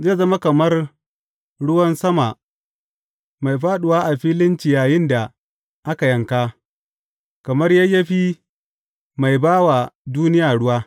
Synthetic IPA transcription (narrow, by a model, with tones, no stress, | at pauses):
zeː˦˨zɐ˦ma˦kɐ˨mɐ˦r | ɽʊ˦wɐ˦nsɐ˦ma˨ | ma˨jɸaː˦ɗʊ˨waː˦ʔa˨ɸiː˦lɪ˦nt͡ʃi˨jaː˨jɪ˦nda˨ | ʔa˦ka˨jɐ˦ŋka˦ | kɐ˨mɐ˦rja˦jːɐ˦ɸi˦ | ma˨jbaː˦wa˨duː˦nɪ˦jaː˨ɽʊ˦waː˦